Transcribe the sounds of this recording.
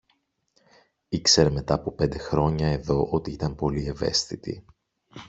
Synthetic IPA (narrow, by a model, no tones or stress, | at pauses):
ikse̞ɾeme̞t̪ɐːpope̞nd̪e̞xɾo̞ɲɐe̞ðo̞ʔo̞t̪iit̪ɐmpo̞lie̞ve̞̰st̪it̪ḭ